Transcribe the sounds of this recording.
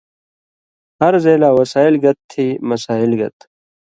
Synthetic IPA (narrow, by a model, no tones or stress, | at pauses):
hɐɾzeːlaːwɐsaːɪlɡɐt̪ʰːiːmɐsaːɪlɡɐ̰t̪